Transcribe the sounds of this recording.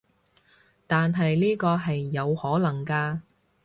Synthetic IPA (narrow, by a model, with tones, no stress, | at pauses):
t̪aː˨nɦɐ˨jliː˥kɔː˧ɦɐ˨jːɐ˨˧whɔː˨˥lɐ˨˩ŋkaː˧